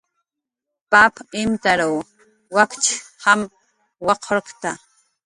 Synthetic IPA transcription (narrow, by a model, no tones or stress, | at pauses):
papɪmt̪aɾaw | wakt͡ʃham | wɑqʰɾqt̪a